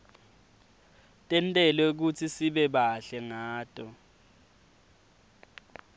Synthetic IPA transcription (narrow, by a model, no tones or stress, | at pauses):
tʼɛntʼɛlek̬ut͡sʰisiɓɛɓaɬɛŋaːtʼɔ